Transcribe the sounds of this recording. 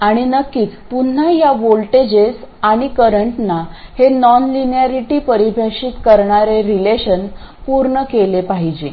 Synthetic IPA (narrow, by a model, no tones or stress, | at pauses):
aɽ̃inəkːiːt͡spun̤ːajaʋolʈed͡ʑesaɽ̃ikəɾəɳʈnahenɔnlinjaɾiʈiːpəɾibʱjaʂiːt̪kəɾɳaɾeɾileɕən | puɾɳəkelepaɦid͡ʑe